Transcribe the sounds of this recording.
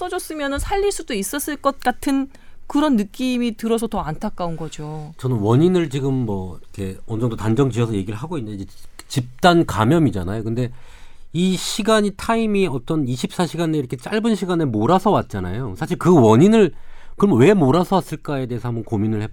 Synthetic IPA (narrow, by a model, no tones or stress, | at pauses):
s͈ʌd͡ʑʌs͈ɯmjʌnɯnsʰaʎːiɭs͈udois͈ʌs͈ɯɭk͈ʌt̚k͈atʰɯn | kɯɾʌnːɯk͈imitɯɾʌs̬ʰʌtʌantʰak͈aunɡʌd͡ʑot͡ɕʌnɯnwʌɲinɯɭt͡ɕiɡɯmːʌkʰe̞ʌnd͡ʑʌŋdotand͡ʑʌŋd͡ʑiʌsʰʌje̞ɡiɾɯɭɦaɡoinːɯdid͡ʑe | t͡ɕip̚t͈anka̰mjʌmid͡ʑa̰najokɯnde̞iɕʰiɡaɲitʰaimiʌt͈ʌniɕʰip̚s͈aɕʰiɡaneiɾʌkʰe̞t͡ɕ͈aɭbɯnɕʰiɡanemoɾasʰʌwat̚t͡ɕ͈ana̰josʰaɕ̬ʰiɭkɯwʌɲinɯɭkɯmʌwe̞moɾasʰʌwas͈ɯɭk͈ae̞deːsʰʌhambʌnkominɯɭhe̞b